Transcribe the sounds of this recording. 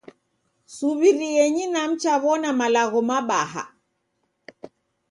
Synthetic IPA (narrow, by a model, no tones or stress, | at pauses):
suβiɾiɛɲinam̩t͡ʃaβɔnamalaɣɔmaɓaha̰